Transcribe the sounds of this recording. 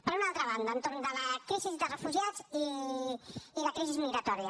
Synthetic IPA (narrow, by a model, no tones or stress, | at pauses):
pəɾunalˠt̪ɾəβ̞and̪əːnt̪ornd̪ələkɾizizðərəfuʒiazi | ləkɾizizmiɣɾət̪ɔɾiə